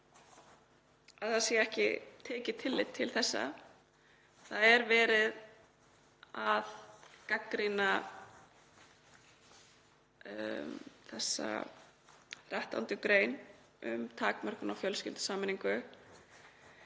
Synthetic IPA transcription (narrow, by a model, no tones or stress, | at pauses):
aðθaðsjɛɛhcɪ̰t̪ʰɛːcɪt̪ʰɪlːɪt̪ʰːɪlθɛsːa̰ | θaðɛɾvɛːɾɪð | aðkakɾina | θɛsːa̰ | θrɛht̪a̰wnt̪ʏkɾeːjn | ʏ̰mt̪ʰaːkmœr̥kʏnawfjœlskcɪlt̪ʏ̥saːmɪniŋkʏ